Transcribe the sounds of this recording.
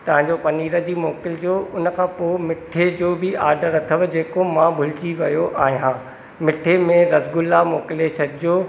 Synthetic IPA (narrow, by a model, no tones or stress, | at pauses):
t̪ɐʋ̤ãɲd͡ʑopɐniːɾəd͡ʑiːmoːkɪld͡ʑoːʊnə̆kʰãːpoːɪmɪʈʰed͡ʑoːbɪaːɾɖəɾɐt̪ʰəʋd͡ʑeːkomãbʱʊlɪt͡ɕiʋɐjoʔaːɦijãː | mɪʈʰemẽɾɐzɡʊlːamoːkɪlet͡ɕʰɐd̪ɪoː